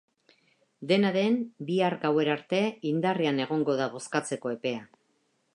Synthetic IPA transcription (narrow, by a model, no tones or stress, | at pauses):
d̪e̞naðe̞nbiaɾɡawe̞ɾaɾt̪e̞ind̪ariane̞ɣ̞o̞ŋɡo̞ðaβo̞skat͡se̞ko̞e̞pe̞a